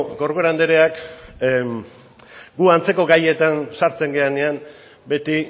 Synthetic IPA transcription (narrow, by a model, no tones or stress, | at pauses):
ɡoɾɣoɾand̪eɾe̞ak | ɡuant͡se̞ko̞ɡaje̞t̪ansaɾt͡se̞ŋɡe̞ane̞am | be̞t̪i